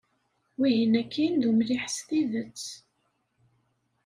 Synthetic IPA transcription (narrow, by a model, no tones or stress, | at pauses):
wiʝənækʰːind̪umliħst̪iðət͡sː